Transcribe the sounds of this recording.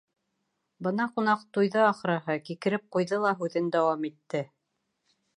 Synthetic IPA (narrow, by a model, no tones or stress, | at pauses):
bɤnɑqunɑqt̪ujðɤɑχɾɑɦɤkikɘ̆ɾɘp̚qujðɤlˠɑɦʉðɘnd̪æwɑmit̪ːɘ